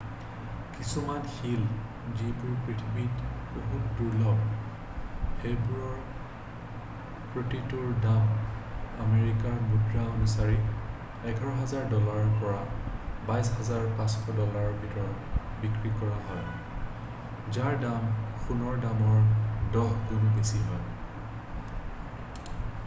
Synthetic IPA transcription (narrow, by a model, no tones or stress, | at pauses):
kisumanxil | zipʊɹpɹitʰibitboɦutduɹlɔb | xejbuɹɔɹ | pɹotituɹdam | ameɹikaɹmudɹaonusaɹik | ɛɡʰʱaɹɔɦazaɹdɔlaɹpɔɹabajshazaɹpãsxʰɔdɔlaɹbʱitɔɹɔbikɹikɔɹaɦɔj | zaɹdamxunɔɹdamɔɹdɔɦdumbesiɦɔj